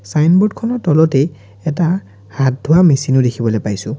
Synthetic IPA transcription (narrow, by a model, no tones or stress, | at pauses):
sajnbɔdkʰɔnɔtɔlɔtɛ | ɛta | hat̚dʱʊwamesinodekʰibɔloejpajsʊ̃